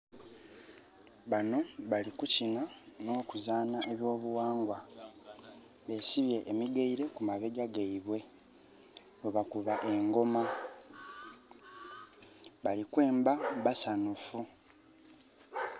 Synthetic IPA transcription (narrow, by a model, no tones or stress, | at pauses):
βano̞βalikucinano̞ːkuzaːnaʔeβjo̞ːβuwaːŋɡwa | βesiβje̞ʔːmiɡeiɾe̞kumaβeɡaɡeiβwe̞ | oβakuβaʔe̞ŋɡo̞ma | βalikwe̞ːmbaβasanufu